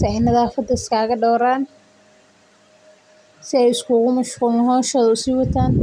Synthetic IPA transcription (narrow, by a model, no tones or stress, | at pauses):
sɪɛjnɐðaːfɐd̪ɐɪskʰaːɣɐɖɔːɾaːn | sɪɛjɪskʰuːɣʊmɐʃquːlɪnɦɔːʃɐðʊsiːwɐt̪ʰaːn